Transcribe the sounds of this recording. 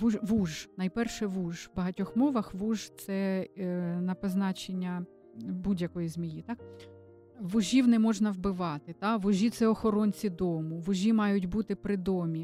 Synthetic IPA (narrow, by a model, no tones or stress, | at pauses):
ʋuʋuʒnɐjpɛrʃɛʋuʒʋbɐɦɐtʲɔxmɔʋɐxʋuʒt̪sɛ | nɐpɐznɑt͡ʃenʲːɐ | budʲjɐkɔjizmʲijit̪ɑk | ʋʊʒʲiwnɛmɔʒnɐwbɪʋɑt̪ɪt̪ɑʋʊʒʲit̪sɛɔxɔɾɔnʲt͡sʲid̪ɔmʊʋʊʒʲimɑjʊtʲbut̪ɪpɾɪd̪ɔmʲi